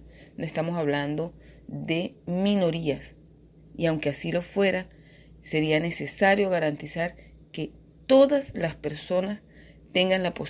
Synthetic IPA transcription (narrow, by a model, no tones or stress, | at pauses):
noe̞st̪amosaβ̞land̪o̞ðe̞mĩno̞ɾias | iawŋke̞asilo̞fwe̞ɾa | se̞ɾiane̞se̞saɾjo̞ɣaɾant̪isaɾ | ke̞ | t̪o̞ðaslaspe̞ɾso̞nas | t̪e̞ŋɡanlapo̞s